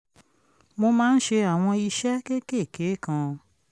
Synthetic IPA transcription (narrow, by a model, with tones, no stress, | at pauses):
mo˧mãː˦n̩˦ʃe˧a˨w̃ɔ̃˧i˧ʃɛ˦ke˦ke˦˨ke˨˦kã˧